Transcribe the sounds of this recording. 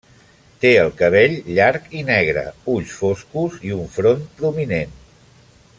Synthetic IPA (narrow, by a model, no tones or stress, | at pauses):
t̪eəlˠkəβ̞eʎʎaɾkinɛɣ̞ɾə̰uʎsfoskuziuɱfɾompɾuminen